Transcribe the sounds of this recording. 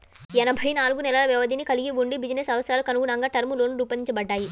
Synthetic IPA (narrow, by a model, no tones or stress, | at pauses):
ɛnɐbʱɐjnaːluɡunɛlɐlɐʋjɛʋɐd̪ʱinikɐliɡiʋuɳɖibid͡ʒineːsɐʋɐt̪sɐɾaːlukɐnuɡuɳɐŋɡaːʈɐɾmuloːnuɾuːpɐniɲt͡ʃɐbɐɖːaːji